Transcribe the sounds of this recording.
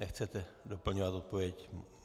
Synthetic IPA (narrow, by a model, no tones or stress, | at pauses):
nɛxt͡sɛt̪ɛdo̞pl̩ɲovat̪o̞t̪̚po̞vjɛc